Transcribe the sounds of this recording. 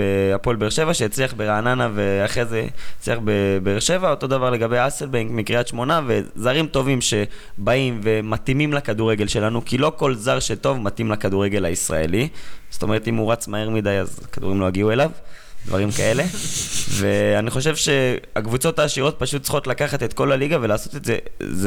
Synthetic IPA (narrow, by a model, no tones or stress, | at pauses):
beapolbeʁʃe̞vaʃejat͡sliaχbeʁaːnanave̞aχʁezet͡sliaχbebeːʁʃe̞vao̞to̞d̪avaʁle̞ɡabejaselbeŋkmikʁiatʃmo̞nave̞zaʁimto̞vimʃe̞baimve̞matimimlakaduʁeɡe̞lʃe̞lanukilo̞ko̞lzaʁʃeto̞vmatimlakad̪uʁe̞ɡe̞lhaisʁa̰e̞̰liz̥o̥t̪ome̞ʁet̪imuʁat͡smaeʁmid̪aja̰zkadṵʁimlo̞jaɡiue̞lav | d̥̪vaʁimkae̞le̞ve̞aniχo̞ʃ̬evʃe̞a̰kvut͡so̞taːʃiʁo̞t̪̚paʃut̚t͡sχo̞t̪lakaχat̪e̞t̪ko̞laliɡave̞laːso̞t̪e̞tzḛz